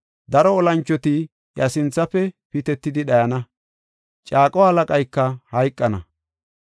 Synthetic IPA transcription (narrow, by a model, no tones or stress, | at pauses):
d̪ɐɾɔːlɐnt͡ʃːɔt̪ɪ | jɐsɪnt͡sːɐfɛpɪt̪ɛt̪ːɪd̪ɪɗɐjɐnɐ | t͡ʃʼaːkʼɔhɐlɐkʼɐjkːɐhɐjkʼːɐnɐ̰